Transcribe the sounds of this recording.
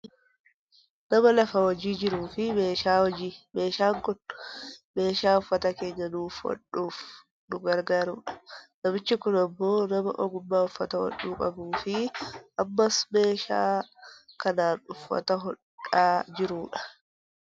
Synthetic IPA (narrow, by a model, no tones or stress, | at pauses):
nɐmɐlɐfɐwɐd͡ʒiːd͡ʒɪɾuːfɪme̞ːʃaːwɐd͡ʒiːme̞ːʃaːŋkʊn | me̞ːʃaːʊfːɐt̪ɐke̞ːɲːɐnuːfwɐ̰ᶑuːf | nʊɡɐɾɡaːɾuːᶑɐ̥nɐmɪt͡ʃːɪkʊnɐmːo̞ːnɐmɐ̰ʔɔɡʊmːaːʊfːɐt̪ɐwɐ̰ᶑːuːkʼɐbuːfɪʔɐmːɐsme̞ːʃa̰ːkɐnaːnʊfːɐ̰t̪ɐɦɔ | aːd͡ʒɪɾuːᶑɐ̥